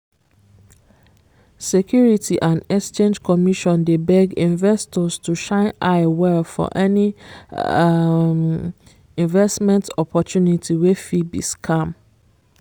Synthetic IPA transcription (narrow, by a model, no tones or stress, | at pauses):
sekʰjuɹitʰiʔãnɛkst͡ʃẽnd͡ʒkʰɔmiʃɔ̃ndebɛɡĩnvɛstʰɔstʰuʃãɪ̃naɪwɛlfɔ̰ʔɛni | m | ĩnvɛstmɛ̃ntʰɔpʰɔtjũnitʰiwefibḭskʰãm